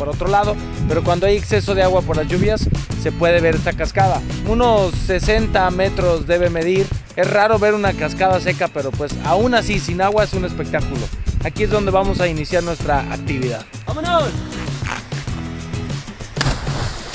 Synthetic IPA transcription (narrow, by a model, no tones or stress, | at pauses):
poɾo̞t̪ɾo̞laðo̞ | pe̞ɾo̞kwand̪oaje̞kse̞so̞ðeaɣwapoɾlazʝuβjasːe̞pwe̞ð̞e̞β̞e̞ɾe̞st̪akaskaðauno̞sːe̞se̞nt̪ame̞t̪ɾo̞zðe̞βeme̞ðiɾ | e̞sraɾo̞βe̞ɾunakaskað̞as̬e̞kape̞ɾo̞pwe̞sa̰unasisinaɣwaesune̞spe̞k̚t̪akulo̞akie̞zðo̞nd̪e̞βamo̞sainisjaɾnwe̞st̪ɾaʔa̰k̚t̪iβ̞iðaðo